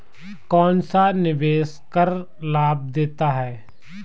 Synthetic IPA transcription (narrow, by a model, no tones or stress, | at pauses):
kɔːnsanɪʋeːskəɾ | laːb̚d̪eːt̪aɦɛː